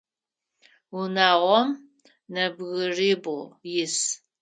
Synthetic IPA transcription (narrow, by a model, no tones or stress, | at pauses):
unaːʁʷɔm | nɐbɣɨriːbojɪs